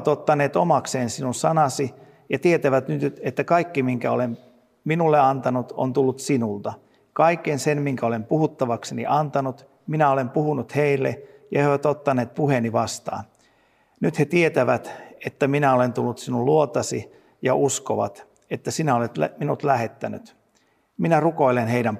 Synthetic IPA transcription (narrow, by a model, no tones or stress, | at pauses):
t̪ot̪ːɑneːt̪omɑkseːnsinunsɑnɑsi | jɑt̪iet̪æʋæt̪nyt̪et̪ːækɑikːimiŋkæo̰lem | minulːeɑnt̪ɑnut̪o̰nt̪ulːut̪sinult̪ɑ | kɑikːˑensenmiŋkæolempuhut̪ːɑʋɑksenḭʔɑnt̪ɑnut̪ | minæolempuhunut̪heilːḛjɑeiʋæt̪ot̪ːɑneːt̪̚puheniʋɑst̪ɑ̰ːn | nyt̪he̞t̪iet̪æʋæt̪et̪ːæminæo̞le̞nt̪ulːut̪sinulluot̪ɑsi | jɑʔuskoʋɑ̰t̪ | e̞t̪ːæsinæolet̪lminut̪læɦe̞t̪ːæny̰t̪ | minæruko̞ilenɦeidæm